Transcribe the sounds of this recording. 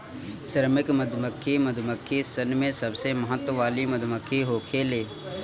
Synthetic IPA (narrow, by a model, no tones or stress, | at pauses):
səɾmɪkməd̪ʱməkʰːiməd̪ʱməkʰːisənmẽsɐbseməɦət̪wəʋaːliməd̪ʱməkʰːiɦoːkʰeːleː